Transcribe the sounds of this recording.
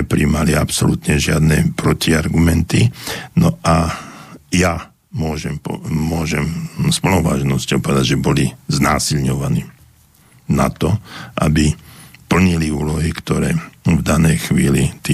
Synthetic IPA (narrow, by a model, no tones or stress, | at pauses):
ɛpɾiːmaliapsɔlut̪ɲɛʒɪad̪nɛːpɾɔciaɾɡumɛnt̪inɔʔa | ja | mʊɔʒɛmpɔmʊɔʒɛmspluʋa̰ːʒnɔscɔʊpɔʋɛd̪aɟʒɛbɔliznaːsilɲɔʋaniː | na̰t̪ɔʔa̰bipl̩ɲiliuːlɔɦikt̪ɔɾɛːvd̪anɛjxʋiːlit̪i